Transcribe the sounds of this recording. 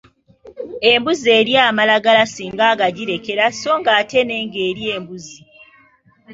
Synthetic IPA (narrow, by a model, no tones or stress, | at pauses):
e̞mbuze̞ːɾjaːmalaɡalasiːŋɡaːɡaɟiɾe̞ke̞ɾaso̞ːŋɡaːte̞ne̞ːŋɡe̞ːɾjeːmbuzi